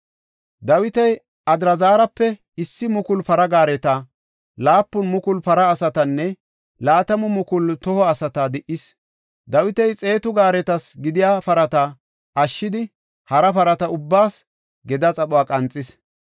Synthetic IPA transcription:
d̪ɐwɪt̪ɛj | ɐd̪ɾɐzaːɾɐpːɛ | ɪsːɪmʊkʊlpɐɾɐɡaːɾɛt̪ɐ | laːpːʊnmʊkʊlpɐɾɐːsɐt̪ɐnːɛ | laːt̪ɐmʊmʊkʊlt̪ɔhɔɐsɐt̪ɐd̪ɪʔɪs | d̪ɐwɪt̪ɛjt͡sʼe̞ːt̪ʊɡaːɾɛt̪ɐsɡɪd̪ɪjaːpɐɾɐt̪ɐ | ʔɐʃːɪd̪ɪ | hɐɾɐpɐɾɐt̪ɐʊbːaːs | ɡɛd̪ɐt͡sʼɐɓʊaːkʼɐnt͡sʼːɪs

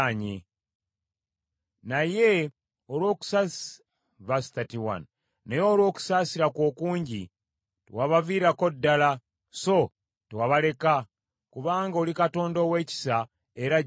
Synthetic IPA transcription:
aɲḛ | naje̞ | olwo̞ːku̥sas | βastatiwa̰n | nejoːlwo̞ːku̥saːsiɾakwo̞ːkuːɲɟi | twaβaviːɾako̞dːala | so̞ | tewaβale̞ka | kuβaːŋɡaolikato̞ːndowe̞ːci̥sa | e̞ɾa

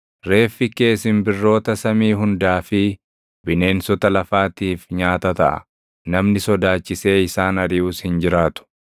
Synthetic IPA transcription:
ɾe̞ːfːɪke̞ːsɪnbɪrːo̞ːt̪ɐsɐmiːɦʊnd̪aːfɪ | bɪne̞ːnsɔt̪ɐlɐfaːt̪iːfɲaːt̪ɐt̪ɐʔɐ̰ | nɐmnɪsɔd̪aːt͡ʃːɪse̞ːɪsaːnɐɾɪuːshɪnd͡ʒɪɾaːt̪ʊ̥

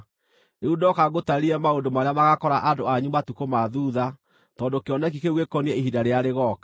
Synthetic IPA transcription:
eudɔkaɣotaɾiɛmaondomaɾeamaɣakɔɾaʔadoaɲumatukomaðuːða | tɔːndokeɔnɛk̬ikeɣwekɔniɛiɦidaɾeaɾeɣɔkḁ

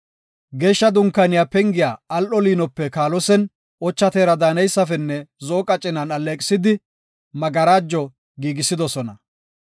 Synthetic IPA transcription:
ɡe̞ːʃːɐd̪ʊŋkːɐnɪjaːpɛŋɡɪjaːɐlʔɔliːnɔpːɛkaːlɔsɛn | ʔɔt͡ʃːɐt̪eːɾɐd̪aːnɛjsːɐfɛnːɛzoːkʼɐt͡ʃʼːɪnɐnɐleːkʼɪ̥sɪd̪ɪ | mɐɡɐɾaːd͡ʒːɔ | ɡiːɡɪsːɪd̪ɔsɔnɐ

